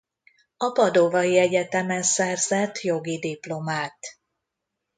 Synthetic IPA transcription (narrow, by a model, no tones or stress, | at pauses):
ɒpɒd̪ovɒjiɛɟɛt̪ɛmɛnsɛrzɛt̪ːjo̞ɡid̪iplo̞maːt̪